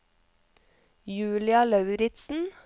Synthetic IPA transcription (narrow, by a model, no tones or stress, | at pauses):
jʉːlɪɑlɑʉɾɪt̪sn̩